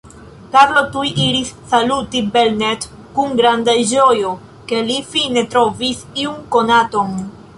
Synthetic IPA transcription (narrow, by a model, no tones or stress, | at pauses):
kaɾlo̞tujʔiɾisːalutibelnet | kuŋɡɾandad͡ʒo̞jo | ke̞lifine̞t̪ɾo̞visiunko̞nato̞n